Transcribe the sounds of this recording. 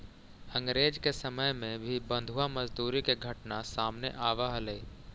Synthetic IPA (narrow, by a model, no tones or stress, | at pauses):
ə̃ŋɡɾeːd͡ʒkesəməjmẽbʱibə̃nd̪ʱuamɐzd̪uːɾikeɡʱɐʈnasaːmnḛʔaːʋaɦəleː